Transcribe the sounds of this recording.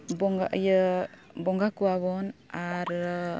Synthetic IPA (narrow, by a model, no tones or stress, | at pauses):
bɔŋɡaʔjə | bɔŋɡakuwaβɔnaɾ